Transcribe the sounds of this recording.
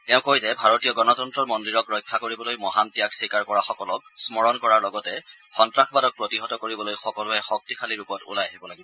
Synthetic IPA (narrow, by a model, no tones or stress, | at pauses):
tɛʊ̃kojzɛbʱaɹotijɔɡɔnɔtɔntɹɔmɔndiɹɔkɹɔjkʰːakoɹibɔlojmɔɦantijaksikaɹkɔɹaxɔkɔlɔk̚smɔɹɔnkɔɹaɹlɔɡɔtɛxɔntɹaxbadɔk̚pɹotiɦɔtɔkoɹibɔlojxɔkɔlʊɛxɔk̚tikʰaliɹupɔtṵlajaɦibɔlaɡibɔ